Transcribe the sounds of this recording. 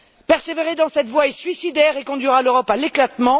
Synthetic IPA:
pɛʁseveʁed̪ɑ̃sɛt̪vwaɛsɥisid̪ɛʁekɔ̃d̪ɥiʁaløʁɔpaleklat̪mɑ̃

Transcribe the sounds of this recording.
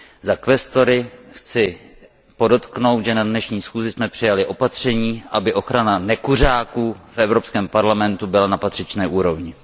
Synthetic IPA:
zakvɛst̪o̞ɾɪxt͡sɪ | po̞do̞t̪kno̞wt̪ʒɛnadnɛʃɲiːsxuːzɪsmɛpr̝̥ɪjalɪʔo̞pat̪r̝̥ɛɲiːʔabɪʔo̞xɾananɛkur̝aːkuːfʔɛvɾo̞pskɛːmpaɾlamɛnt̪ubɪlanapat̪r̥ɪt͡ʃnɛːʔuːɾo̞vɲɪ

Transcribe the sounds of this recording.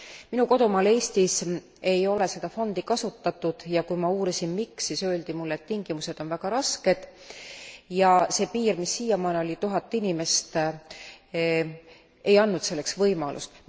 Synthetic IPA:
minuko̞d̪umɑːleːst̪is | e̞jo̞le̞se̞d̪̥ɑfo̞nd̪̥ikɑsut̪ːɑt̪ːˑud̪̥jɑkujmɑuːɾisinmiksːisø̞ːld̪imulːet̪ːiŋɡ̥imuse̞d̪̥o̞nvæɡ̥ɑɾɑske̞d̪̥ | jɑse̞ːpiːrmisːijɑmɑːneo̞lʲit̪uɦɑt̪ːˑinime̞st̪ | e̞jɑnːut̪se̞lːe̞ksvɤjmɑlʔṵst̪

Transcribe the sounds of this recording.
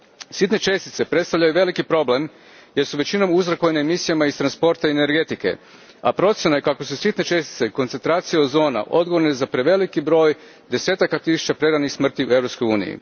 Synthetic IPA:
sit̪ne̞t͡ʃe̞st̪i̥t̪se̞pɾet̪st̪aʋʎajuʋe̞likipɾo̞ble̞m | je̞ɾsuʋe̞t͡ɕino̞muzɾakojnaemisijamaist̪ɾanspo̞ɾt̪aiene̞ɾɡe̞t̪ike̞̰ | a̰pɾo̞t̪sjenajekako̞susit̪ne̞t͡ʃe̞st̪i̥t̪eko̞nt̪sent̪ɾaːt̪sijeod̪zo̞ːna̰ʔo̞d̪ɡo̞ʋoɾnezapɾe̞ʋe̞likibɾo̞ːj | d̪e̞se̞ːt̪akat̪isu̥t͡ɕapɾe̞ɾanixsmr̩t̪iue̞vɾo̞psko̞juːnḭjḭ

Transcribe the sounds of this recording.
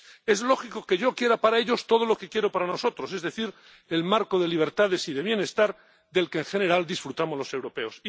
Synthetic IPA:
e̞zlo̞xiko̞ke̞ʝo̞kje̞ɾapaɾae̞ʎo̞st̪o̞ð̞o̞lo̞ke̞kje̞ɾo̞paɾano̞so̞t̪ɾo̞se̞zðe̞θiɾ | elmaɾko̞ðe̞liβ̞e̞ɾt̪aðe̞siðe̞βje̞ne̞st̪aɾ | ðe̞lkeːŋxe̞ne̞ɾald̪isfɾut̪amo̞zlo̞se̞wɾo̞pe̞o̞s

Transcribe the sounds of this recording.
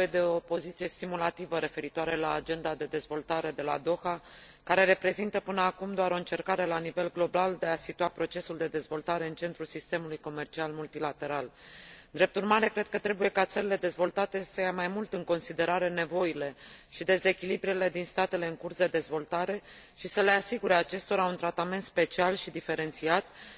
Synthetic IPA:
ed̪eo̞po̞zit̪sije̞st̪imulat̪ivəɾe̞fe̞ɾit̪waɾelaːd͡ʒe̞nd̪ad̪e̞d̪e̞zvo̞lt̪aɾe̞d̪e̞la̰d̪o̞xa | kaɾe̞ɾe̞pɾe̞zint̪əpɨnəakumd̪oaɾo̞ɨnt͡ʃe̞rkaɾe̞lanive̞lɡlo̞bald̪e̞asit̪uapɾo̞t͡ʃe̞suld̪e̞d̪e̞zvo̞lt̪aɾe̞ɨnt͡ʃe̞nt̪ɾulsist̪e̞mulujko̞me̞rt͡ʃialmult̪ilat̪e̞ɾald̪ɾe̞p̚t̪urmaɾe̞kɾe̞d̪̥̚kət̪ɾe̞buje̞kat̪səɾile̞d̪e̞zvo̞lt̪at̪e̞səjamajmult̪ɨŋko̞nsid̪e̞ɾaɾe̞ne̞vo̞jile̞ʃid̪e̞ze̞kʲilibɾile̞d̪inst̪at̪e̞le̞ɨŋkursd̪e̞d̪e̞zvo̞lt̪aɾe̞ | ʃisəle̞asiɡuɾe̞at͡ʃe̞st̪o̞ɾaunt̪ɾat̪ame̞nt̪spe̞t͡ʃialʃid̪ife̞ɾe̞nt̪siat̪

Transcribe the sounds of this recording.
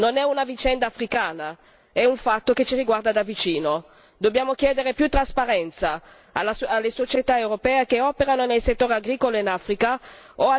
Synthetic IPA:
nonɛunavit͡ʃɛnd̪aːfɾikaːna | ɛuɱfat̪ːoket͡ʃiɾiɡward̪ad̪avit͡ʃiːno | d̪objaːmok̟jɛːd̪eɾepjut̪ːɾaspaɾɛnt̪sa | alːaalːesot͡ʃet̪aewɾopɛːekeɔːpeɾanonelset̪ːoːɾeaɡɾiːkoloinafɾikaoa

